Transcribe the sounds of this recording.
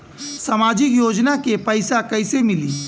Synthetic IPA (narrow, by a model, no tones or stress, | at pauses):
samaːd͡ʒɪkjoːd͡ʒnakepəɪsakəɪsemɪlḭː